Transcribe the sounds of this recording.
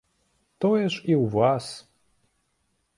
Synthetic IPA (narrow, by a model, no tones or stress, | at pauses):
t̪ojɛʂiwvas